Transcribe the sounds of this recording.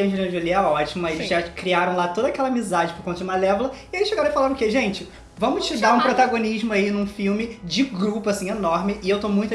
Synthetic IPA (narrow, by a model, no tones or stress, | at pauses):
ɐ̃eɾĩd͡ʒoleaɔt͡ʃimɐelɪzʒakɾiaɾɐ̃w̃lat̪od̪ɐakɛlɐamizad͡ʒɪpoɾkõt̪ɐd͡ʒumɐlɛvlɐɪelɪʃeɡaɾɐ̃ifalaɾɐ̃keʒẽnt͡ʃɪ | vɐ̃mʊt͡ʃɪd̪aɾũpɾot̪aɡoniʒmʊainũfiwmɪd͡ʒɪɡɾupʊasĩenɔɾmɪʔɪewt̪omũt̪